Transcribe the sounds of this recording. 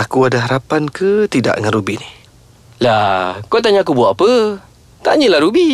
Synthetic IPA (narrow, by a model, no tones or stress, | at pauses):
akuadaɦaɾapankət̪ida̰ʔŋanɾubinih | lakot̪̬aɲaːkubuaʔapə | t̪aɲəlahɾubi